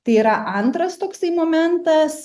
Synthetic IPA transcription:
t̪ɐɪiːɾɐʔɐnt̪ɾɐst̪oːksɐɪmoːmʲɛnt̪ɐs

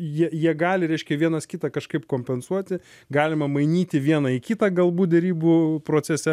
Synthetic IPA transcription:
jiɛjiɛɡɑːlʲɪɾʲɛɪʃʲkʲɛʋʲiɛnɐskʲɪt̪ɑkɐʃkɐɪpkoːmʲpʲɛnsuɔt̪ʲɪ | ɡɑːlʲɪmɐmɐɪnʲiːt̪ʲɪʋʲiɛnɐɪkʲɪt̪ɐɡɐlˠbuːt̪d̪ʲɛɾʲiːbupɾoːt͡ssʲɛsʲɛ

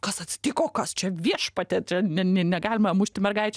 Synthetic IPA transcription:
kɐsɐt̪ʲsʲɪ̥t̪ʲikoːkɐst͡ʃʲɛʋʲiɛʃpɐt̪ʲɛt͡ʃʲɛnʲɛnʲɛnʲɛɡɑːlʲɪmɐmʊʃʲt̪ʲɪmʲɛrɡɐɪt͡ʃʲɛ

